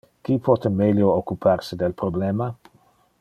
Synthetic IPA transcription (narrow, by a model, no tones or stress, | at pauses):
kipʰɔt̪emeljookːupʰarsed̪elpɾoblɛma